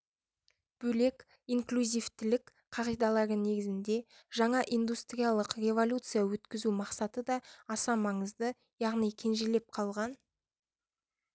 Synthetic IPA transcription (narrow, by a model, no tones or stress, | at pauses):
b̥ɵle̞kʲ | iŋklʲuzʲijft̪ɪlɪk | qʰɑʁijd̪ɑlˠɑɾəne̞ɡʲɪzɪnd̪e̞ | ʒ̥ɑɴɑʔijnd̪ust̪rʲijalˠəqrʲe̞vo̞lʲut̪sɨjawɵt̪kʲɪzumɑqsɑt̪əd̪ɑːsɑmɑɴəzd̪ə | jɑʁnijkʲʰe̞nʒele̞p̚qʰɑlˠʁɑn